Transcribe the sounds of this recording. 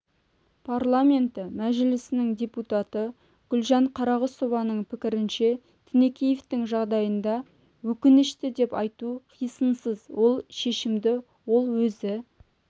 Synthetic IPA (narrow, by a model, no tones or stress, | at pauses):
pʰarlˠamʲe̞nt̪ɪmæʒɪlɪsɪnɪŋd̪ʲe̞put̪at̪ə | ɡ̥ʲʏlʒɑɴqʰɑɾɑʁəso̞vɑnəɴpʰɪkʲɪɾɪnʃe̞ | t̪ʰɪnekʲʰejeft̪ɪŋʒɑʁd̪ɑjənd̪ɑ | wɵkʲɪnɪʃt̪ɪd̪e̞pɑjt̪uqʰijsənsəzwo̞lˠʃe̞ʃɪmd̪ɪ | wo̞lˠwɵzɪ